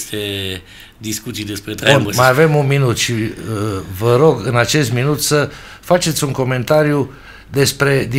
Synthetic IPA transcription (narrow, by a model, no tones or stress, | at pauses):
t̪e | d̪iskut̪sijd̪espɾet̪ɾaommajave̞munminut̪ʃi | vəɾo̞ɡɨnat͡ʃe̞st̪minut̪sə | fat͡ʃe̞t̪sʲuŋko̞me̞nt̪aɾju | d̪e̞spɾe̞d̪i